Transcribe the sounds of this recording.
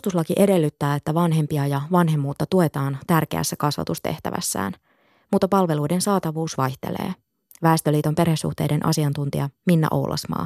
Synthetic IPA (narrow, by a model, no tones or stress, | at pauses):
ust̪uslɑkiʔe̞de̞lːyt̪ːæːet̪ːæʋɑnɦe̞mpiɑjɑʋɑnɦe̞mːuːt̪ːɑt̪uet̪ɑːnt̪ærkḛæ̰sːækɑsʋɑ̰t̪ust̪e̞̰ht̪æ̰ʋæ̰sːæ̰ːn | muːt̪ːɑpɑlʋe̞lujde̞nsɑːt̪ɑʋuːsʋɑjht̪e̞̰lḛː | ʋæːst̪øliːt̪o̞mpe̞rhesṵht̪e̞jde̞nʔɑ̰siɑnt̪unt̪iɑminːæ̰ʔo̞wlʔɑ̰smɑ̰ː